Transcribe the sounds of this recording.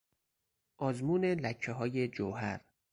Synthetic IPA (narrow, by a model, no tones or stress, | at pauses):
ʔɒːzmuːne̞læcʰːeɦɒːje̞d͡ʒowɦæɾ